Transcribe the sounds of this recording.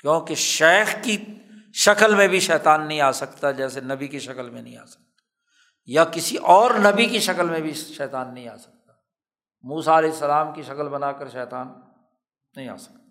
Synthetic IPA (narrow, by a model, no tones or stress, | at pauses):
kjõːkeʃɛːxki | ʃɐkəlmẽbʱiʃɛːt̪aːnːɐɦĩaːsɐkt̪ad͡ʒɛːsenɐbikiʃɐkəlmẽnɐɦĩa̰ːsɐ̥k̚t̪ḁ | jakɪsiʔɔːɾnɐbikiʃɐkəlmẽbʱiʃɛːt̪aːnːɐɦĩaːsɐ̥k̚t̪a | muːsaɐlɛːɪsːəlaːmkiʃɐkəlbɐnaːkəɾʃɛːt̪aːnː | ɐɦĩa̰ːsɐ̥k̚t̪ḁ